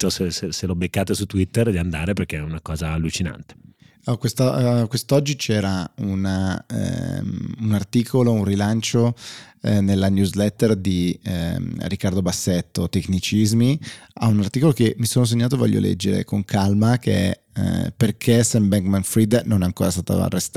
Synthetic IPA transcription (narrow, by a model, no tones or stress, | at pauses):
t͡ʃɔseseselobekːaːt̪esut̪ːwit̪ːerd̪iand̪aːɾeperkeɛunakɔːzaːlːut͡ʃina̰nt̪e̥ | ɔkwest̪ɔkwest̪ɔd͡ʒːit͡ʃɛːɾauna̰ | unart̪iːkʰolounrilant͡ʃo | nelːanjuzlɛt̪ːerd̪i | ɾikːard̪obasːet̪ːot̪ekːnit͡ʃizmia̰unart̪iːkolokemːisoːnos̬eɲːaːt̪ovɔ̰ʎːjːo̰lɛ̰d͡ʒːeɾḛkoŋkʰalmakʰḛɛ̰ | perkʰesɛmbɛŋkmanfɾid̪nonɛaŋkoːɾast̪aːt̪a̰a̰rːest̪a